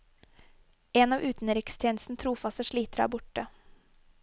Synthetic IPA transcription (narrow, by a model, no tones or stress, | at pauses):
enɑːʋʔʉːt̪n̩ɾɪkst̪ʰjeːnst̪n̩t̪ʰɾuːfɑst̪əʂɭiːt̪əɾɑ̰ːbʊʈə